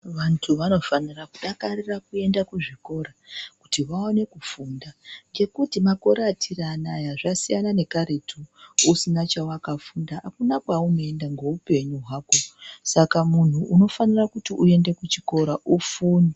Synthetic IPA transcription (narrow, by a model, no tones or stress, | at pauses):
ʋantʰuʋano̞fanirakuɗakarirakue̞ndakuʐiko̞ɾaku̥tiʋaone̞kufuːndaŋd͡ʒe̞kutimako̞ɾatʰiranajaʐasijanane̞kaɾe̞tʰuusinat͡ʃawakafundaːkunakwaunoendaŋɡo̞upe̞ɲuɦwaːko̞sakamun̤uʔːno̞fanirakutiʔue̞nde̞kut͡ʃiko̞ɾaʔufuːni